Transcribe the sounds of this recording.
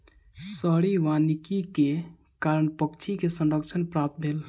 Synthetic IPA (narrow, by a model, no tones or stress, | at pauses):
səɽiʋanikike | kaɾəɳpəkt͡ʃʰikesə̃nɾəkt͡ʃʰənpɾap̚t̪̚bʱel